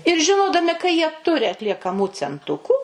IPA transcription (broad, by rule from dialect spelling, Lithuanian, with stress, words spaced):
ɪr ʒʲɪˈnoːdɐmʲɪ kɐ jiɛ ˈtʊrʲɪ ɐtʲlʲiɛkɐˈmuː t͡sʲɛnˈtʊkuː